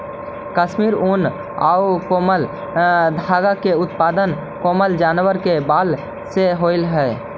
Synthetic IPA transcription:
kəʃmiːɾun | a̰ukoːməl | d̪ʱaːɡakeʊt̪paːd̪ən | koːməld͡ʒaːnwəɾkebaːl | seɦoɪlɦɛ

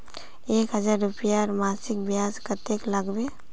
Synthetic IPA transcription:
eːkɦɐzaːɾːʊpjaɔɾmaːsɪk̚bjaːskət̪eklɐɡbeː

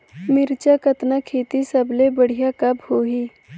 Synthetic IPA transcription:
mɪɾt͡ʃakɐt̪nakʰeːt̪isɐblebəɽ̤ijakɐbhoːɦiː

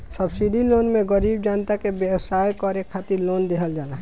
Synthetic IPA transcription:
səbsiɖiloːnmẽɡəɾiːbd͡ʒaːnt̪akebjəwsaːjkɔɾekʰːaːt̪iɾloːnd̪eːɦəld͡ʒaːlaɦ

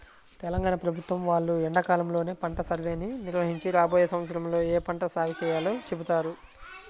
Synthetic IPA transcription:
t̪ɛlɐŋɡaːɳɐpɾɐbʱut̪ʋɐmʋaːɭːuɛɳɖɐkaːlɐmlo̞ːneːpɐɳʈɐsɐɾʋe̞ːniniɾʋɐɦiɲt͡ʃiɾaːboːjɐsɐ̃mʋɐt̪sɐɾɐmlo̞ːeːpɐɳʈɐsaːɡit͡ʃɛːjaːloːt͡ʃe̞but̪aːɾu

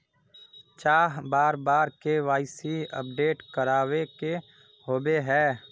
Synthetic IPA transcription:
t͡ʃaːɦbaːɾbaːɾkeʋaːɪsiə̰p̚ɖeːʈkəɾaːweke | ɦoːbeɦɛː

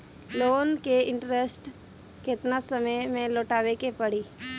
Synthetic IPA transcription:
loːnkeɪ̃ɳʈɾesʈ | kɪt̪nasəməjmẽloːʈaːʋekepɐɽ̤iː

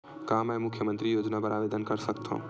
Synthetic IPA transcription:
kaːmɛmʊkʰjəmə̃nt̪ɾijoːd͡ʒnabəɾaːʋeːd̪ənkəɾsəkt̪ʰõ̰ː

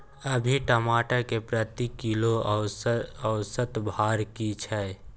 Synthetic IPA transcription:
əbʱiʈəmaːʈakepɾət̪ikiloəəʊsət̪bʱaːɾkit͡ʃʰɛ

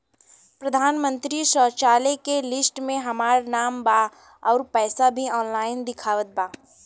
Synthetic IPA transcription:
pɾəd̪ʱaːnmə̃nt̪ɾiʃɔːt͡ʃaːlekelɪsʈmẽɦɐmaːɾnaːmbaː | ɔːɾpɛːsabʱiɔːnlaːɪnd̪ɪkʰaːʋət̪̚baː

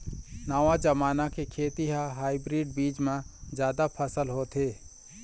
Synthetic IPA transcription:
naʋad͡ʒɐmaːnakekʰeːt̪iɦaɦaːibɾiːɖ̚biːd͡ʒmãzjaːd̪apʰəsəlɦoːt̪ʰeː

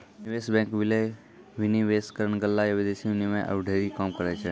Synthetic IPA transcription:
niʋeːsbɛ̃ːŋkʋɪle | ʋɪniʋeːskəɾəɳ̃ɡəlːajɐʋed̪esiʋɪnimẽʔə̰ʋɖʱeɾikaːmkəɾɛt͡ʃʰɛ

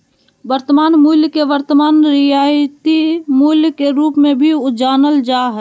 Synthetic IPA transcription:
ʋəɾt̪əmaːnmuːljkeʋəɾt̪əmaːnɾɪjaːt̪imuːlkeɾuːpmẽbʱiʊd͡ʒaːnəld͡ʒaːɦɛ

